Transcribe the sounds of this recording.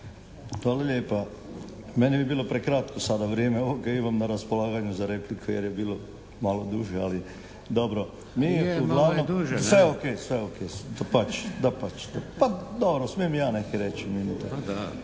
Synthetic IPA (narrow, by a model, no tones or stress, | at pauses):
ʋaːlaʎeːpa | menebibiːlˠo̞pɾekɾat̪kosad̪aʋɾjeːmeoʋoɡaimamnaɾaspolˠaːɡaɲuzaɾe̞plikʰojeɾjebiːlo̞ | malod̪uʒea̰li | d̪obɾo | miːuɡlˠaːʋnomsʋeokeːsʋeokʰeːd̪apat͡ʃd̪apat͡ɕd̪apad̪obɾosmiemijaːnekeɾet͡ɕminit̪a̰